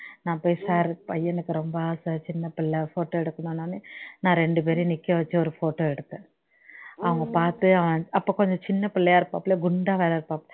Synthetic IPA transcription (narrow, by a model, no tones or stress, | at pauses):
nãːpoːjisaːɾpɐjːɐnɐkːɯɾɔmbɐaːsɐt͡ʃɪnːɐpɪɭːɛfoːʈːoːɛɽɯkːɐnaːnaːnenãːɾɛɳɖɯp̬eːɾɪnɪkːɐʋɐt͡ʃːɯɔɾɯfoːʈːoːɛɽɯt̪ːɯ̃ | ɐʋɐŋɡɐpaːɾt̪ɯɐʋɐɐɐpːoːkɔɲd͡ʒɔ̃t͡ʃɪnːɐpɪlːɐjaːɪɾɯpːãːpːleːɡʊɳɖaːʋeːlɐɪɾɯpːãːpːl